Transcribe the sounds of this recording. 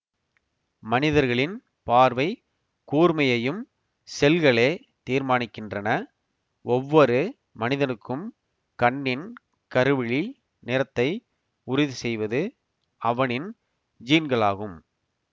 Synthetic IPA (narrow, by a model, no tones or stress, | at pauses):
mɐnɪðɐɾɣɐɭɪn | paːɾʋɐɪ | kuːɾmɐjɐjɯm | sɛlɣɐɭeː | t̪iːɾmaːɳɪkːɪndrɐnɐ | ɔʋːɔɾɯ | mɐnɪðɐnɯkːɯm | kɐɳːɪn | kɐɾɯʋɪɭi | nɪɾɐt̪ːɐɪ | ʊɾɪðɯsɛjʋɐðɯ | ɐʋɐɳɪn | d͡ʒiːnɡɐɭaːɣɯm